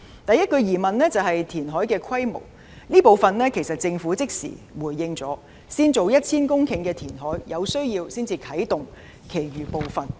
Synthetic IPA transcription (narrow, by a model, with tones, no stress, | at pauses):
t̪ɐ˨jɐ˥t̚kɵ˧ɥjiː˨˩mɐ˨nlɛː˥t͡sɐ˨wɦɐ˨jt̪ʰiː˨˩nɦɔː˨˥jkɛː˧kʰɐ˥jmo̰˨˩w | niː˥po˨wfɐ˨nlɛː˥kʰe˨˩jsɐ˨t̚t͡sɪ˧ŋfuː˨˥t͡sɪ˥k̚sḭ˨˩wuː˨˩jjɪ˧ŋt͡sɔː˨˥ | siː˥nt͡so˨˧wjɐ˥t̚t͡sʰiː˥nkʊ˥ŋkʰɪ˨˧˥ŋkɛː˧t̪ʰiː˨˩nɦɔː˨˥jjɐ˨˧wsɵ˥ɥjiː˧wsiː˥nt͡siː˧kʰɐ˨˥jt̪ʊ˨ŋ | kʰe˨˩jɥyː˨˩po˨wfɐ˨n